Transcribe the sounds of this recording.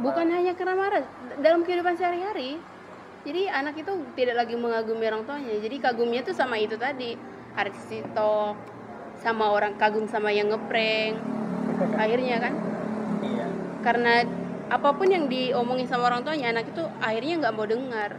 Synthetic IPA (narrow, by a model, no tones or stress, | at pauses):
bukanɦaɲakarnamaɾadalamkəɦidupansaɾiɦaɾi | d͡ʒadianakit̪ut̪idaʔlaɡiməŋaɡumioɾaŋt̪uaɲad͡ʒadikaɡʊmɲat̪usamait̪ut̪adi | haɾissit̪ɔk̚ | samaoɾaŋkaɡʊmsamajaŋːəpɾɛŋ | ahirɲakan | kaɾənaapapʊnjaŋdiomɔŋɪnsamaoɾaŋt̪uaɲaːnakit̪uahirɲaŋɡaʔəmbawdəŋar